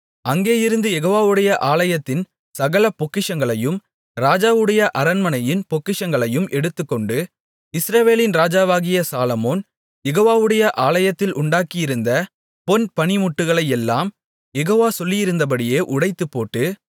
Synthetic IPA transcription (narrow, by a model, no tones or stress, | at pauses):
ɐŋɡeːjɪɾɯnd̪ɯjɛɣoːʋaːʋɯɽɐjɐʔaːlɐjɐt̪ːɪn | sɐɣɐɭɐpɔkːɪʂɐŋɡɐɭɐjɯm | ɾaːd͡ʒaːʋɯɽɐjɐʔɐɾɐnmɐnɐjɪnpɔkːɪʂɐŋɡɐɭɐjɯmʔɛɽɯt̪ːɯkːɔɳɖɯ | ɪsɾɐʋeːlɪnɾaːd͡ʒaːʋaːɣɪjɐsaːlɐmoːn | jɛɣoːʋaːʋɯɽɐjɐʔaːɭɐjɐt̪ːɪlʔʊɳɖaːkɪjɪɾɯnd̪ɐ | pɔnpɐnɪmʊʈːɯɣɐɭɐjɛlːaːm | jɛɣoːʋaːsɔlːɪjɪɾɯnd̪ɐp̬ɐɽɪjeːʔʊɽɐɪt̪ːɯpːoːʈːɯ